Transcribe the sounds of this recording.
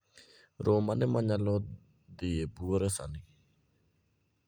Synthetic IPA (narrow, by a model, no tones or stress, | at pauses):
ɾʔomanɪmaɲalɔ | d̪ɪjebuoɾɛsa̰nɪ